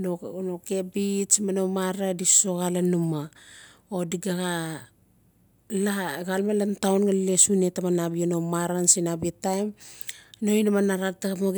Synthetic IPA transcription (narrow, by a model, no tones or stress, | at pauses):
nonoke̞bismanomaɾadiso̞ɣalanuma | odiɡaɣa | laɡalmalantawnɡalesune̞tamanabianomaɾansinabitajm | no̞jnamanaɾataamoɡ